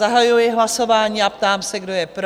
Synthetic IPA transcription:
aɦajujɪɦlaso̞vaːɲiːapt̪aːmsɛɡdo̞jɛpɾ

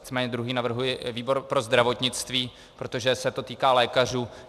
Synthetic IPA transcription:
ɪt͡smɛːɲɛd̪ɾuɦiːnavr̩ɦujɪviːbo̞ɾpɾo̞zd̪ɾavo̞t̪ɲɪt͡st̪viː | pɾo̞t̪o̞ʒɛsɛt̪o̞t̪iːkaːlɛːkar̝uː

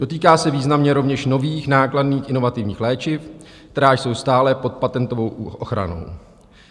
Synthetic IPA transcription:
do̞t̪iːkaːsɛviːznamɲɛɾo̞vɲɛʃno̞viːxnaːkladniːxʔɪno̞vat̪ɪvɲiːxlɛːt͡ʃɪf | kt̪ɛɾaːjso̞wst̪aːlɛpo̞t̪̚pat̪ɛnt̪o̞vo̞wʔoxɾa̰no̞̰w

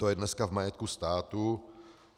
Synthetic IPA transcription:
t̪ojɛdnɛskavmajɛt̪̚kust̪aːt̪u

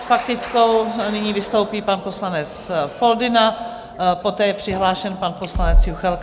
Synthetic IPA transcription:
sfak̚t̪ɪt͡sko̞wnɪɲiːvɪst̪o̞wpiːpanpo̞slanɛt͡sfo̞ldɪna | po̞t̪ɛːjɛpr̝̥ɪɦlaːʃɛnpanposlanɛt͡sjuxɛlk

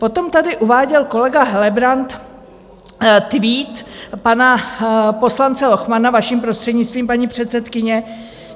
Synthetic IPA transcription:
po̞t̪o̞mt̪adɪʔuvaːɟɛlko̞lɛɡaɦɛlɛbɾant̪ | t̪viːt̪panapo̞slant͡sɛlo̞xmanavaʃiːmpɾo̞st̪r̥ɛdɲɪt͡st̪viːmpaɲiːpr̝̥ɛt̪sɛt̪kɪɲɛ

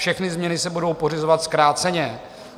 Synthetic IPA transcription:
ʃɛxnɪzmɲɛnɪsɛbudo̞wpo̞r̝ɪzovat̪skɾaːt̪t͡sɛɲɛ

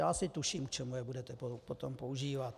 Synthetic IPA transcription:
jaːsɪt̪uʃiːmkt͡ʃɛmujɛbudɛt̪ɛpopot̪ompouʒiːvat̪

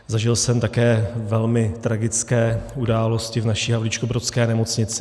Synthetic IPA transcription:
zaʒɪlsɛmt̪akɛːvɛlmɪt̪ɾaɡɪt͡skɛːudaːlo̞scɪvnaʃiːɦavlɪt͡ʃkobɾotskɛːnɛmo̞t͡sɲɪt͡sɪ

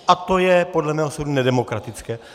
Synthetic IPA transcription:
ʔat̪o̞jɛpodlɛmɛːɦosowdunɛdɛmo̞kɾat̪ɪt͡skɛː

